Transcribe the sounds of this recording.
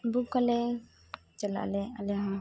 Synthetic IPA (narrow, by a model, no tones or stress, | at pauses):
buk̚kalɛ | t͡ʃɛla̰lɛalɛɦã